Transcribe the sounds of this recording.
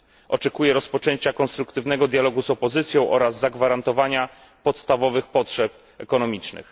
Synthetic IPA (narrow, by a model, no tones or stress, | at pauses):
ʔɔt͡ʂɛkujɛɾɔspɔt͡ʂɛɲt͡ɕakɔnst̪ɾukt̪ɘvnɛɡɔd̪ʲjalɔɡuzɔpɔzɘt̪sʲjɔ̃w̃ʔɔɾazːaɡvaɾant̪ɔvaɲa | pɔt̪st̪avɔvɘxpɔtʂɛp̚ | ɛkɔnɔmʲit͡ʂnɘ̰x